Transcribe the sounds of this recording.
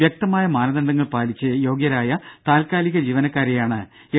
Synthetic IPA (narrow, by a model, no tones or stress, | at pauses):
jɐk̚t̪ɐmaːjɐmaːnɐðɐɳɖɐŋːɐɭpaːlit͡ɕːɨjo̞ːɡjɐɾaːjɐt̪aːlkaːliɣɐd͡ʑiːʋɐnɐkːaːɾejaːɳɨ | e